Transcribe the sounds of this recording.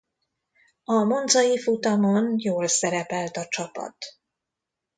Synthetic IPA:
ɒmo̞nd̪zɒjifut̪ɒmo̞njoːlsɛɾɛpɛlt̪ɒt͡ʃɒpɒ̰t̪

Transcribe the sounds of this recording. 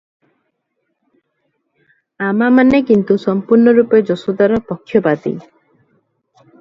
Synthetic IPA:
amamanekint̪usɔmpuɾnɔɾuped͡ʒɔsɔd̪aɾɔpɔkʰːjɔbad̪ḭ

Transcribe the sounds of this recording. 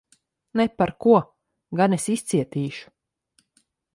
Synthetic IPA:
nɛpaɾkuɔ | ɡanesist̪siɛt̪iːʃu̥

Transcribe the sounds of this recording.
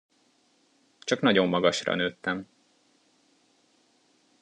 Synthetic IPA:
t͡ʃɒknɒɟo̞mːɒɡɒʃrɒ̰nøːt̪ːɛm

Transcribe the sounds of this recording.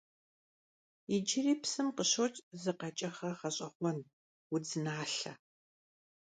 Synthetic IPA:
id͡ʒɪriːpsɨmqəɕowt͡ʃʼzɨqɐt͡ʃʼɐχɐχɐɕʼɐχʷɔn | wʊd͡zɨnaːɬɐ

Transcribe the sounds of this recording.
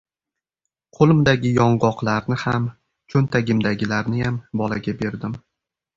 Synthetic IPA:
qʰolˠɪmd̪aɡʲɪjɒɴʁɒqlˠaɾnɪham | t͡ʃʰɵnt̪ʰaɡʲɪmd̪aɡʲɪlaɾnɪjambɒlaɡʲabe̞ɾd̪ɪm

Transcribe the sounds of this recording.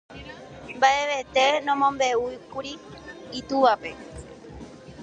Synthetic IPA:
mbae̞ʋe̞t̪e̞nõmõ̞mbe̞ukuɾiit̪uʋape̞

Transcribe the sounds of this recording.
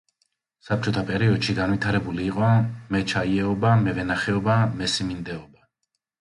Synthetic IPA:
sap̚t͡ʃʼɔt̪ʰapʼɛɾiɔd̪̥ʃiɡanvit̪ʰaɾɛbuliːqʼɔmɛt͡ʃʰaiɛɔbamɛvɛnaχɛɔbamɛsimind̪ɛɔba

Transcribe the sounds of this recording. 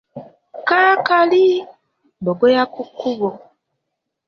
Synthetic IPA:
kaːkali | boɡojakukːuβo

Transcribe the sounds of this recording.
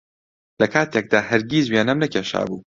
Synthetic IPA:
lɐkʰaːt̪ek̚d̪aːhɐɾɡiːzweːnɐmnɐkʰʲeːʃa̰ːbṵː

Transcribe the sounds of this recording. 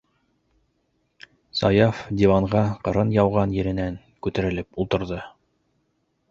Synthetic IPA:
sɑjɑfd̪ʲivɑɴʁɑqɤ̆ɾɤnjɑwʁɑnjɘ̆ɾɘ̆næŋ | kʉt̪æɾɘ̆lɘpulˠt̪ɤ̆ɾðɤ

